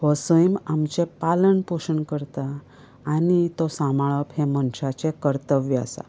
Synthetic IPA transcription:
ʋɔsəjmamt͡ɕepaləɳpoʂəɳkəɾt̪aː | nit̪ɔsãmaɭəphemənɕat͡sekəɾt̪əʋjəa̰sa̰

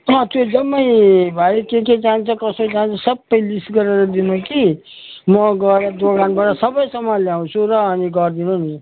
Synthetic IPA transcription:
ʌ̃t̪jod͡zʌmːʌjbʱaikeked͡zant͡sʰʌkʌsod͡zant͡sʰʌsʌbʌjlisʈɡʌɾeɾʌd̪inuki | mʌɡʌɾad̪oɡanbaʈʌsʌbʌjsʌmːʌljauw̃t͡sʰuɾʌːniɡʌɾd̪inuni

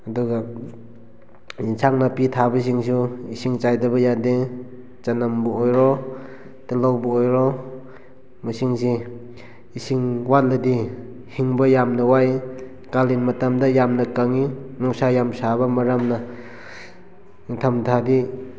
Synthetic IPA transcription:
aduɡa | insʰaŋnapitʰabɐs̬iŋs̬uisiŋt͡ʃajdɐbɐjade | t͡ʃanambuojɾɔ | tilawbuojɾɔ | musiŋsi | isiŋwalːɐdi | hiŋbɐjamnawaj | kalinmatamdajamnakaŋinusajamsabɐmaɾamna | tʰamtʰadi

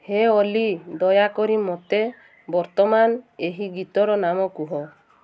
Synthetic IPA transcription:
heolid̪ɔjakɔɾimɔt̪e | bɔɾt̪ɔmaneɦiɡit̪ɔɾɔnamɔkuɦɔ

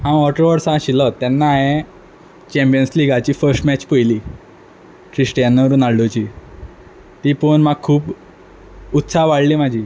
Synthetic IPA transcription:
ɦãɔʈəɾʋəɾsãɕilɔt̪ːanːaːɦẽ | t͡ɕɛ̃mpijənsliɡat͡ɕiːfəɾsʈmɛt͡ɕpəjliː | ʈɾisʈijanːʋəɾuːnaɽɖot͡ɕiː | t̪iːpəɳmaɡ̚kʰːuːp | ut̪saɦʋaɽliːmad͡ʑʱiː

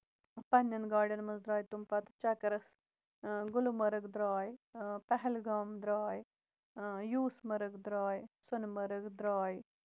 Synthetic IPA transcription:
pɐnjɐnɡaːɖɐnmɐzd̪ɾaːjt̪umpɐt̪t͡ʃɐkɐɾɐs | ɡʊlmɐɾɨɡd̪ɾaːjpɐɦɛlɡaːmd̪ɾaːj | juːsmɐɾɨɡd̪ɾaːjsʊnmɐɾəɡd̪ɾaːj

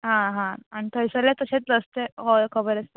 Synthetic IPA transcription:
ɦãɦãaɳit̪ʰəjsəljat̪əɕet͡s̪ːəst̪eɦokʰəbəɾəst̪ə

